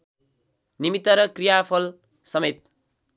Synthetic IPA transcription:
nimit̪ːʌɾʌkrijapʰʌl | sʌmet̪̚

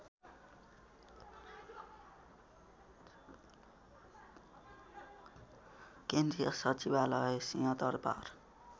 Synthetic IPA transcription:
kend̪rijʌsʌt͡sibalʌesijʌt̪ʌrpa̰r

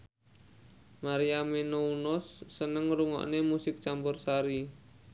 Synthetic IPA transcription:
maɾiamenounɔsːənəŋɾuŋɔ̰ʔnemusɪk̚t͡ʃambʊrsaɾi

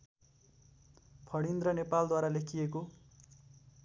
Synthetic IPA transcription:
pʰʌɽ̃ind̪rʌnepald̪waɾalekʰijeko

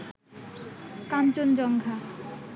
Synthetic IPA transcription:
kant͡ɕond͡ʑɔŋɡʱa

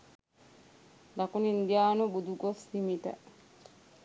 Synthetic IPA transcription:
lɐkunind̪ijaːnubud̪uɡosimit̪ɐ̰

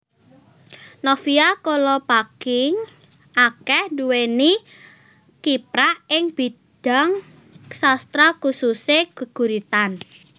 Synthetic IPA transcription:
nɔfiakolɔpakɪŋ | akɛhduweni | kipɾaʔɪŋb̥i̤ | d̥a̤ŋ | sast̪ɾɔkususeɡ̥ə̤ɡ̥ṳɾit̪an

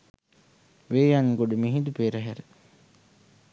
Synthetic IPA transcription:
ʋeːjaŋɡoɖəmiɦid̪upeːɾəɦæɾe

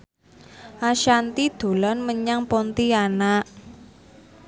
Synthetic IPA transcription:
ʔaʃant̪id̪̥o̤lɔnməɲaŋpɔnt̪ianaʔ

